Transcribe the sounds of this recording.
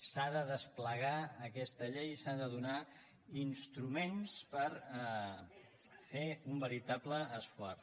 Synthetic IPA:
saðəðəspləɣaəkɛst̪əʎejsaðəðuna | inst̪ɾumenspəɾ | feumbəɾit̪abləːsfwɔr

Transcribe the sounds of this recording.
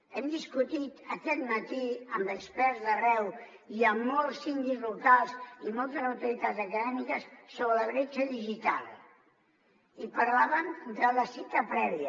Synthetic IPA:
ɛmd̪iskut̪it̪əkɛt̪mət̪iəmbəkspɛɾzðərɛw | iamːɔlˠsind̪izlukalˠsimɔlˠt̪əzəwt̪uɾit̪ad̪zəkəðɛmikəsːoβɾələβɾet͡ʃəðiʒit̪a̰lˠ | ipəɾlaβəmd̪ələsit̪əpɾɛβiə

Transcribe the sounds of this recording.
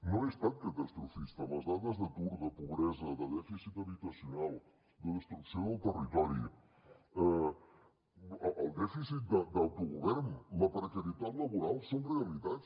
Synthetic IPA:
nõespɛk̚t̪ɐd̪est̪ɾufist̪ɐmɐzðaðɐzðət̪uɾðɐpuβɾɛzɐðəðɛfisit̪ɐβit̪ɐsjunalˠ | d̪əðest̪ɾuksõw̃awt̪ərit̪ɔɾju | ɛ | ʔɐld̪ɛfisit̪̚d̪ɐd̪awt̪uɣuβɛɾnulɐpɾekɐɾit̪aðlɐβuɾalˠsõreɐliðat̪s

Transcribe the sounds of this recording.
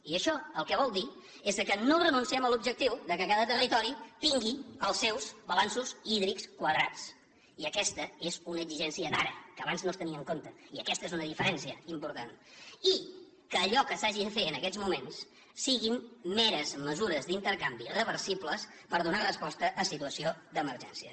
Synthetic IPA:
iəʃɔəlˠkɛβ̞ɔlˠd̪i | ezðəkənorənunsiɛməlub̚ʒək̚t̪iwðəkəkaðət̪ərit̪ɔɾit̪iŋɡiəlˠsːɛwzβəlansuziðɾikskwəðɾat͡s | iəkɛst̪əezunəɡziʒɛnsiəd̪a̰ɾə̰kəːβanznost̪əniəŋkont̪əiəkɛst̪əezunəðifəɾɛnsiəimpuɾt̪ani | kəːʎɔkəsaʒiɱfeənəkɛzmumensː | iɣimːɛɾəzməzuɾəzd̪int̪əɾkambiðəβəɾsipləspəɾðunarəspɔst̪əʔːsit̪uəsiod̪əməɾʒɛ̰nsiə̰

